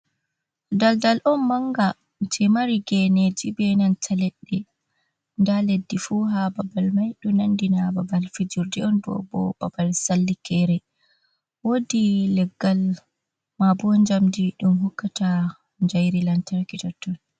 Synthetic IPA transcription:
daldalʔɔnmaŋɡa | t͡ʃʰɛmaɾiɡɛned͡ʒibɛnantʰalɛɗːɛ | ndaledːifuːɦababalmajɗunandinababalfid͡ʒuɾdɛɔnbɔ̰bɔ̰babalsalːikɛɾɛ | wodilɛɡːal | mabɔɲd͡ʒamdiɗumhukːata | nd͡ʒajɾilantaɾkitɔtːɔn

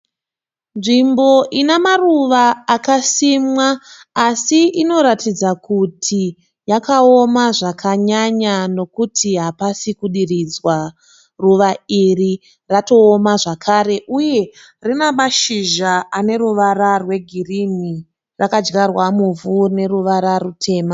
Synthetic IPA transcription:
nʐimbo̞ʔinemaruʋaːkasimwaː | siʔino̞ɾatid͡zakutʰi | jakao̞maʐakʰaɲaɲano̞kutʰiɦapasikuɗirid͡zwa | ruʋairi | rato̞ːmaʐakʰaɾe̞ʔuje̞ | rinamaʃiʒaane̞ruʋaɾarwe̞ɡʱirini | rakad͡ʒɡarwamuvune̞ruʋaɾarutʰe̞ːma

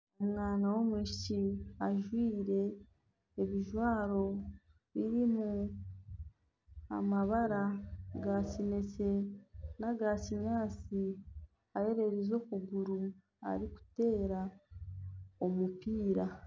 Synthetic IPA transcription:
omŋaːnawo̞mwiːʃiciaʒwiːɾe̞ː | βiʒwaːɾo̞ | βiɾimu | a̰maβaɾaɡacine̞ce̞naɡaciɲɲaːt͡si | aje̞ɾe̞ɾizo̞kuɡuɾu | a̰ɾiku̥te̞ːɾa | o̞mupiːɾa

